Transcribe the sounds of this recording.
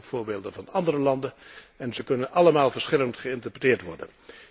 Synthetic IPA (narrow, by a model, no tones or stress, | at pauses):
fʊːɹbeːlˠdənvɑnɑndərəlɑndənɛnzəkɵnənɑləmaːlˠvəɹsχɪləntχəɪntəɹpətɪːɹtʋɔɹdə̰n